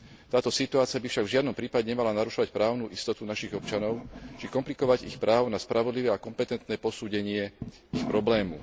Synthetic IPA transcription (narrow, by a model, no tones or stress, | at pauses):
t̪aːt̪ɔsit̪uaːt͡siabifʃaɡvʒɪad̪nɔmpɾiːpaɟɛɲɛmalanaɾuʃɔʋacpɾaːʊnuːʔist̪ɔt̪unaʃiɣɔpt͡ʃanɔʊt͡ʃikɔmplikɔʋaɟḭxpɾʔaːʊnaspɾʔaʋɔd̪liʋɛːakɔmpɛt̪ɛnt̪nɛːpɔsuːɟɛɲɪɛ | ixpɾɔblɛːmṵ